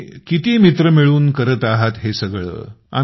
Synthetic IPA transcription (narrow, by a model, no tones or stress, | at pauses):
kit̪iːmit̪ɾəmiɭuːnkəɾət̪aɦat̪ɦesəɡɭə̰ː | a̰